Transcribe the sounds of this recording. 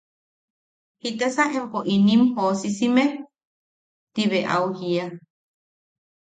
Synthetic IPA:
hit̪esaʔempoʔinĩmhosisime | t̪iβeʔa̰uhia

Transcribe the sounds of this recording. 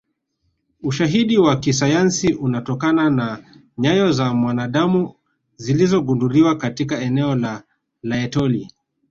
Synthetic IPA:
uʃaɦiɗiwakisajansiʔunatɔkanana | ɲajɔzamwanaɗamu | zilizɔɠunduɾiwakatikaɛnɛɔla | laɛtɔli

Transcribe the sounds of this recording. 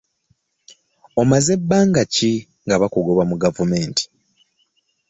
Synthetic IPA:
omaze̞bːaːŋɡaci | ŋɡaβakuɡo̞βamuɡavume̞ːntʰi̥

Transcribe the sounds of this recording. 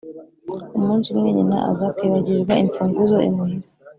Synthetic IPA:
umuːnsimŋeɲina̰ʔa̰zakwiːβaɟiɾɡaiɱfuːŋɡuzoḭmiiɾ

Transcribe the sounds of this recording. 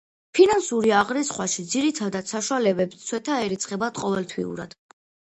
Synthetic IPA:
pʰinansuɾiaʁɾisχwaʃid̪ziɾit̪ʰad̪ad̪saʃwalɛbɛpst̪sʰwɛt̪ʰaɛɾit̪sʰʼχʼɛbat̪qʼɔvɛlt̪ʰwḭṵɾa̰d̪̥

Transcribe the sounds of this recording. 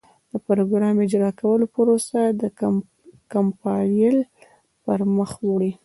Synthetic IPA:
d̪̥əpɾoɡɾɑmɪd͡ʒɾɑkawəlopəɾosad̪ə | kampɑnjəl | pəɾməxwuɽi

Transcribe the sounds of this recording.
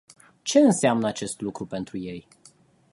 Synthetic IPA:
t͡ʃe̞ɨnseamnəat͡ʃe̞st̪lukɾupe̞nt̪ɾuje̞j

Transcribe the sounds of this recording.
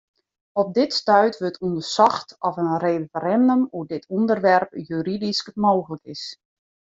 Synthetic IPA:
ɔp̚dɪtstœɥtʋøtʰundərsɔxtɔfənreːfəɾɛndəmudɪtʰundərʋɛrpjyɾidiskəmoːxələkɪs

